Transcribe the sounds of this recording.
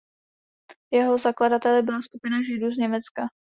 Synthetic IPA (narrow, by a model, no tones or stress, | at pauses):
jɛɦo̞zakladat̪ɛlɪbɪlaskupɪnaʒɪduːzɲɛmɛt͡ska